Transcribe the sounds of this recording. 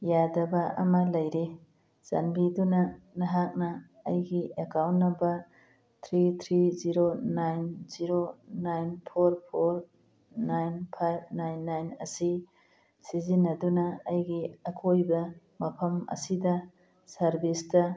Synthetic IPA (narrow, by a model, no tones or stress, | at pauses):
jadɐbɐʔɐ̰mɐlɐjɾe | z̥a̰nbidunɐnɐɦak̚nɐː | jɡiekawnːɐbɐ | tʰɾit̪ʰɾiziɾonajnziɾonajnpʰoɾpʰoɾ | najnpʰajb̚najnːajnɐ̰si | sizinːɐdunɐːjɡiɐkʰojbɐ | mɐpʰɐmɐ̰sidɐ | sɐɾbistɐ